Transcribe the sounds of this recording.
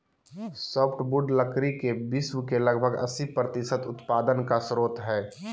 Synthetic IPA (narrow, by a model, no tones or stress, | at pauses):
sɔːpʰʈbʊɖləkɾikebɪswkelɐɡbʱəɡɐ̰sipɾət̪ɪsət̪ʊt̪paːd̪ənkasɾoːt̪ɦɛː